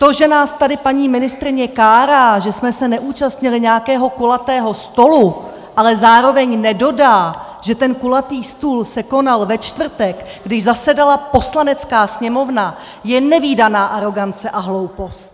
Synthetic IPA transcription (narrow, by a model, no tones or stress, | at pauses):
t̪o̞ʒɛnaːst̪adɪpaɲiːmɪnɪst̪ɾɪɲɛkaːɾaːʒɛsmɛsɛnɛʔuːt͡ʃast̪ɲɪlɪɲɛjakɛːɦo̞kolat̪ɛːɦo̞st̪o̞lu | ʔalɛzaːɾo̞vɛɲnɛdo̞daː | ʒ̥ɛt̪ɛnkulat̪iːst̪uːlsɛko̞nalvɛt͡ʃt̪vr̩t̪ɛkɡdɪʒzasɛdalapo̞slanɛt͡skaːsɲɛmo̞vna | jɛnɛviːdanaːʔaɾo̞ɡant͡sɛʔaɦlo̞wpo̞st̪̚